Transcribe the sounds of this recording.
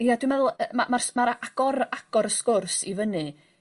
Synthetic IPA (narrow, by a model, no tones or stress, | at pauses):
jadwimɛðʊlˠəmamarsmaɾaaɡ̥ɔɾaɡ̥ɔɾəskʊrsivənɨ